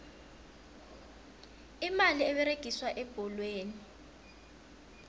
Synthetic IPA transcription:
imaliɛɓɛɾeɡ̥ʱiswaʔɛb̥ʱɔlweːni

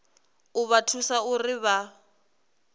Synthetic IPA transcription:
ʊβatʰusaʊrɪβa

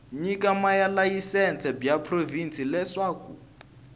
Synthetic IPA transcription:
ɲikamajalajisɛnt͡sʰɛbjapʰrovint͡sʰʼilɛʂaːkṵ

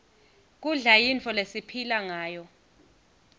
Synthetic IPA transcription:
k̬ʼuɮajint͡fʰɔlesipʰilaŋaːjɔ

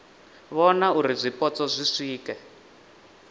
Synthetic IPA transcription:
βɔnauɾizʷipɔt͡sɔzʷisiːkɛ

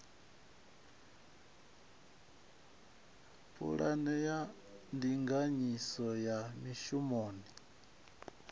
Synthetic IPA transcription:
pʰṵɺa̰nɛja | ndiŋɡaɲisɔjamiʃumɔːni

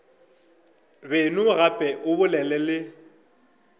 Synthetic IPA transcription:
benʊɣapʼɛʔʊbʊlɛlɛlɪ

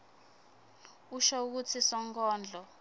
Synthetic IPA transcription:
uʃouk̬ut͡sʰisɔŋkʰɔːnd͡ɮʱɔ

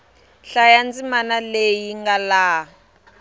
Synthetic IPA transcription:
ɬajand͡zimanalejiŋɡalaː

